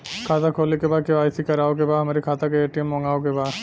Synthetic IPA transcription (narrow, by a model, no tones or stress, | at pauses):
kʰaːt̪akʰoːlikebaːkeʋaːjsikɐɾaːok̬ebamaɾikʰaːt̪akeeːʈijəmːɔŋɡaːok̬ebaː